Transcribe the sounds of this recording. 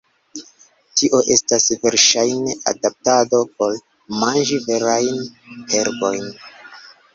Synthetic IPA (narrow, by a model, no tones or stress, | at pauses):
tiʔo̞ʔe̞stasve̞ɾʃajne̞ʔa̰dap̚tado̞po̞l | mand͡ʒive̞ɾajnhe̞ɾbo̞jn